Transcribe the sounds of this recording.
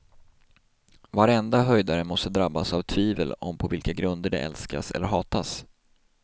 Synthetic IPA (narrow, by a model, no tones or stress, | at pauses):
vaɾɛnd̪aɦœjd̪aɾəmɔst̪əd̪ɾabːasavt̪ʰviːvəlɔ̰mpʰɔvɪlkaɡɾɵnd̪əɖɛ̰ʔɛ̰lska̰sɛ̰lːəɾɦɑːt̪as